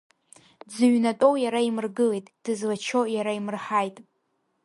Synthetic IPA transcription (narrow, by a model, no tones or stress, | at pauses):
d͡zɨɥnatʼo̞wjaɾaimɨrɡɨlejtʼd̥ɨzlat͡ʃʰojaɾaimɨrħajtʼ